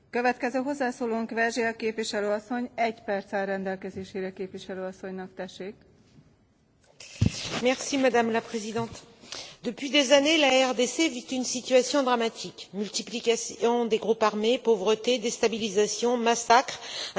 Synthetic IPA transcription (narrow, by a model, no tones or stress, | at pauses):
køvɛt̪kɛzøːɦo̞zːaːsoːloːŋkʋɛrʒeɒkeːpvʋiʃɛløːɒsːo̞ɲɛɟpɛrt̪sɛrɛnd̪ɛlkɛzeːʃeːɾɛkeːpʋiʃɛløːɒsːo̞ɲnɒkt̪ɛʃeːk | mɛʁsimad̪amlapχezid̪ɑ̃t̪d̪əpɥid̪ezanelaɛʁd̪esevit̪ynsit̪yasjɔ̃d̪ʁamat̪ʰikmylt̪iplikasɔ̃d̪eɡʁupaʁmepovʁət̪ed̪est̪abilizasjɔ̃masakχ